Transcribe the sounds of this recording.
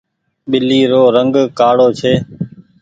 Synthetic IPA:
ɓɪliːɾoːɾəŋɡkaːɽoːt͡ʃʰeː

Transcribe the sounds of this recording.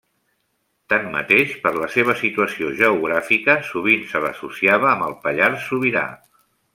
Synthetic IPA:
t̪anːə̰t̪eʃpəɾləseβ̞əsit̪uəsioʒəuɣ̞ɾafikəsuβ̞insələ̰susiaβəːməlˠpəʎaɾsuβiɾa̰

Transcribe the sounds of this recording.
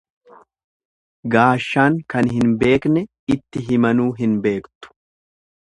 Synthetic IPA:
ɡaːʃːaːŋkɐnɦɪnbe̞ːknɛ | ɪt̪ːɪɦɪmɐnuːɦɪnbe̞ːkt̪ʊ̥

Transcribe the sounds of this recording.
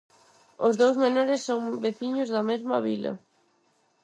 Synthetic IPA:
ozðowzmenoɾɪsːoŋbeθiɲʊzðɐmezmɐβilɐ̰

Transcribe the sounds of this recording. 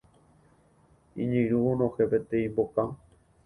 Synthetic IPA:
ḭ̃ɲɨ̃ɾuõnõhepet̪ẽĩmbokã

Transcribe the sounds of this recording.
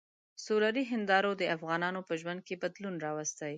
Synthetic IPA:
solaɾiɦɪnd̪ɑɾod̪əafɣɑnɑnopəʒwand̪̚kebad̪lunɾɑwast̪aj

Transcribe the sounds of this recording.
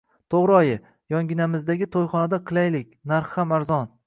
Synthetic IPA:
t̪ʰoʁɾɪɒjɪ | jɒŋɡʲɪnamɪzd̪aɡʲɪt̪ʰojχɒnad̪aqʰɨlˠajlɪkʲnaɾχhamaɾzɒn

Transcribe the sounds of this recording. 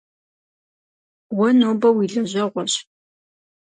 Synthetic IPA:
wɐnoːbɐwiːɮɐʑɐʁʷɔɕ

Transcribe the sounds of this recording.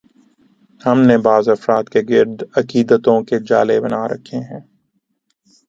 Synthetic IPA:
hɐmnebaːzɐfɾaːt̪keɡɪɾd̪ɐkiːd̪ət̪õked͡ʒa̰ːlebɐnaɾɐ̰kʰeɦɛ̃ː

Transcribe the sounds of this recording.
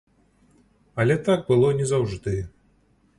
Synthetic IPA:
ɐlʲɛt̪ak̚bɨlˠɔnʲɛzawʐd̪ɨ

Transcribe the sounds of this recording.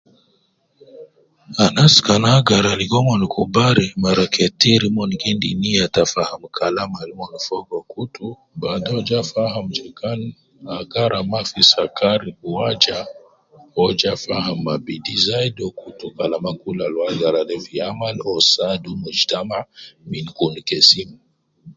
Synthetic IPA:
anaskanaɡaɾaliɡɔmɔnkʰubaɾimaɾakʰɛtiɾimɔnkindiniatafaham̩kʰalamaɾimɔnfɔɡɔkutu | badɔd͡ʒafaɦamd͡ʒɛkan | aɡaɾamafisakaɾiuwad͡ʒa | ɔd͡ʒafaɦamːabidizaidɔkutukalamakulalwaɡaɾadɛviamalɔsadumud͡ʒtamaminkunikɛsima

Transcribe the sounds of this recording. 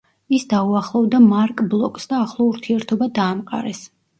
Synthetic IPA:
isd̪auaχlˠɔvd̪amaɾkʼblˠɔkʼsd̪aːχlˠɔuɾt̪ʰiɛɾt̪ʰɔbad̪aːmqʼa̰ɾɛs

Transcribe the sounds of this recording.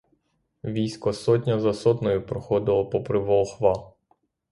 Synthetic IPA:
ʋʲijsʲkɔsɔtʲnʲɐzɐsɔt̪nɔjʊpɾɔxɔd̪ɪlˠɔpɔpɾɪʋɔlˠxʋɑ

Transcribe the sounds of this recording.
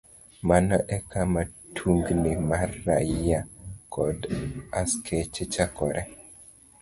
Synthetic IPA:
manɔʔɛkʰamatʰuŋɡnimarːaakʰɔdaskʰet͡ʃet͡ʃakɔɾʔɛ

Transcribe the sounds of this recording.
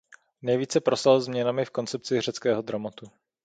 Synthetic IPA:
nɛjviːt͡sɛpɾosalzmɲɛnamɪfko̞nt͡sɛp̚t͡sɪr̝ɛt͡skɛːɦo̞d̪ɾamot̪u

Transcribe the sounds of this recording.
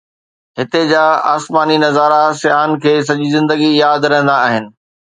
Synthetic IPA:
ɦɪt̪ed͡ʑaːa̰ːsmaːninɐzaːɾasɪjaːnkʰeːs̬ɐd͡ʑizɪ̃nd̪əɡijaːd̪ɾɛ̃ɦə̃nd̪aːɦɪnɪ̆

